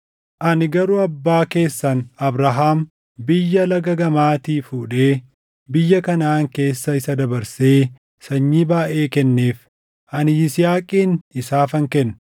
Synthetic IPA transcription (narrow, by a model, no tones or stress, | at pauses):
ʔɐnɪɡɐɾʊɐbːaːke̞ːsːɐnɐbɾɐɦaːm | bɪjːɐlɐɡɐɡɐmaːt̪iːfuːᶑe̞ː | bɪjːɐkɐnaːŋke̞ːsːɐɪsɐd̪ɐbɐɾse̞ː | sɐɲːiːbaːʔe̞ːkɛnːeːf | ʔɐnɪɪsɪjaːkʼiːnɪsaːfɐŋkɛnː